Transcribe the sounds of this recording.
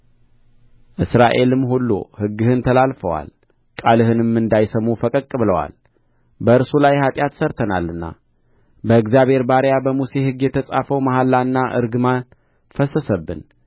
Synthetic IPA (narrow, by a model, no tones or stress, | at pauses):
ʔɨsɾaʔe̞lɨmːhulːo̰hɨɡːɨhɨnt̪ʰəlalfəwa̰l | kʼalɨhɨnɨmːɨnd̪ajsəmːufəkʼəkʼːɨβɨləwa̰l | bəɨɾsulajhat̪ʼjat̪səɾt̪ʰənalːɨnːa̰ | bəɨɡzjaβhe̞ɾbaɾjabəmuse̞hɨɡjɛt̪ʰəsʼafəwmaɦalːaɨnːaʔɨ̰ɾɡɨman | fəsəsəbːɨ̰n